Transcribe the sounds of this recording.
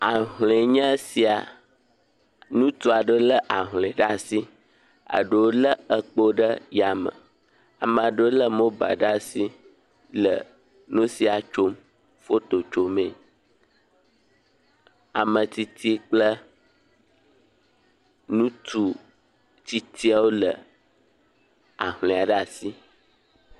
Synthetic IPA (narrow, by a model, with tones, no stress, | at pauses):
a˨ɦlẽ˨ɲə̃˦si˦a˨ | nũ˦t̪u˦a˨ɖə˦lə˦ʔa˨ɦlɛ̃˨ɖa˦si˦ | a̰˨ɖə˨wo˦lə˦ə˨k͡po˦ɖə˦ja˨mə̰̃˨ | a˨mə̃˨a˨ɖə˦o˦lə˦mo˦ba̰˨ɖa˦si˦ | lə̰˨ | nũ˦si˨a˨t͡ʃo˦m | fo˦t̪o˨t͡ʃo˨mẽ˨ | a˨mə̃˨t̪i˦t̪ʰi˦k͡plə˦ | nũ˦t̪u˦ | t̪i˦t̪i˦a˦wo˦lə˨ | a˨ɦlẽ˨a˨ɖa˨si˦